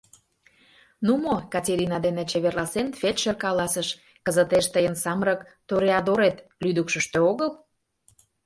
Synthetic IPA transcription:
numokɑtʲeɾʲinɑd̪enĕt͡ɕeβerlɑsenfet̪ʃerkɑlɑsəʃ | kəzət̪eʃt̪əjənsɑmɾəkt̪oɾeɑd̪oɾet̪lyd̪əkʃə̆ʃt̪øoɣəl

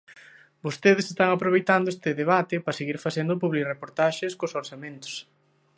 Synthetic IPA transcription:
bost̪eðɪsest̪aŋapɾoβ̞ejt̪and̪oʊest̪ɪðeβat̪ɪpɾɐseɣiɾfaθend̪ʊpuβlirepoɾt̪aʃɪskosoɾsamẽnt̪o̥s

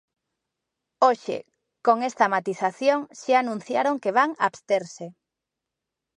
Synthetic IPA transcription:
oʃɪ̰ | koŋest̪ɐmat̪iθaθjoŋʃaanũn̟θjaɾoŋkeβ̞aŋa̰ːβst̪eɾse

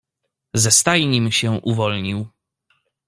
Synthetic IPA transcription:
zɛst̪ajɲimɕɛʔuvɔlɲiw

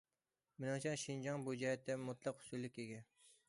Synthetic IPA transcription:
mɪnɪŋt͡ʃʰɑŋʃind͡ʒɑŋbud͡ʒɛhɛt̪ːɛmʊt̪ʰlˠɑqhʊ̥sulːɪkʲeɡʲɛn

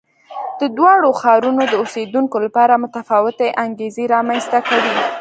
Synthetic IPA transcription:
d̪̥əd̪wɑɽoxɑɾunod̪əosed̪uŋkolapɑɾamʊt̪afɑwɪt̪eʔaŋɡezeɾɑmanst̪akawi

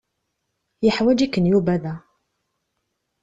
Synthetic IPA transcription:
jəħwæd͡ʒikːənjubæðæ

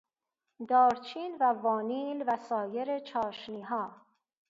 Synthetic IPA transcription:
d̪ɒːɾt͡ʃʰiːnvævɒːniːlvæsɒːje̞ɾet͡ʃʰɒːʃniːɦɒː

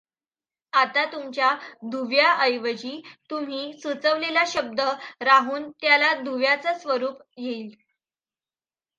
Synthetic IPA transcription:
at̪at̪umt͡ɕjad̪ʱuʋjaəjʋəd͡ʑiːt̪um̤iːsut͡səʋlelaɕəb̚d̪əɾaɦuːnt̪jalad̪ʱuʋjat͡səsʋəɾuːpɡʱeiːl

